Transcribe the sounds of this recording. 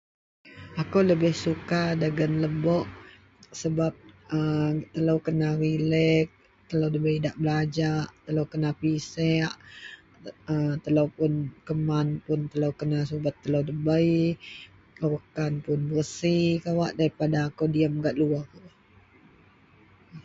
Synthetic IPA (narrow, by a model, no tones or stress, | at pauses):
akowləbɪhsukadaɡənləbɔʔ | səbap̚ət̪əlowkənarilɛk̚ | t̪əlowdəbəjdaʔbəlad͡ʒaʔt̪əlowkənapisɛʔ | ət̪əlowpʊnkəmanpʊnt̪əlowkənasubat̪ːəlowdəbəj | əwəkanpʊnbərəsikawaʔdaɾipadaːkodiamɡaʔluakawaʔ